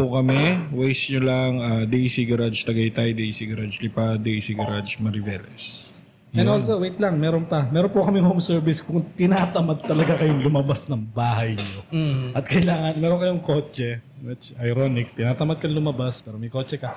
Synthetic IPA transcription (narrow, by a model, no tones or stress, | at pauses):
pʊkɐmɛwɛjsɲolɐŋad̪ejsiɡɐɾad͡ʒt̪ɐɡɐjt̪ajd̪ejsiɡɐɾad͡ʒlɪpad̪ejsiɡɐɾad͡ʒmɐɾɪvɛlɛs | ʔɛnnolsowejt̪lɐŋmɛːɾonpɐmɛːɾonpokɐmɪŋhomsɛɹbɪskʊŋt̪ɪnaːt̪ɐmad̪̚t̪ɐlɐɡakɐjoŋlʊmɐbasnɐŋbaːɦɐjɲo̞ʔɐt̪̚kɐʔɪlaːŋɐnmɛːɾonkɐjoŋko̞ːt͡ʃɛɛt͡ʃɐjɾonɪk̚t̪ɪnaːt̪ɐmɐd̪̚kɐnlʊmɐbaspɛːɾomɐjko̞ːt͡ʃɛkɐ